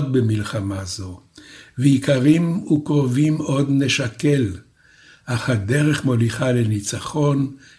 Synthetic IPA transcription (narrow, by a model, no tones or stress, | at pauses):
d̪̚bemilχamazo̞veikaʁimukʁovimo̞d̪neʃake̞l | ʔaχad̪eʁeχmo̞liχalenit͡saχo̞n